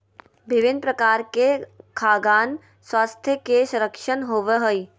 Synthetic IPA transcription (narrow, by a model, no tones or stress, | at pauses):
bɪʋɪnd̪pɾəkaːɾkekʰaːɡaːn | swaːst̪ʰjəkesɐ̃ɾəkʃənɦoːʋeɦoi